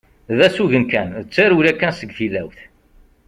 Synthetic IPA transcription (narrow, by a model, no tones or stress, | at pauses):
ðæsuʝənkænðət͡sːaɾuɾækːænsəɡθilːæwθ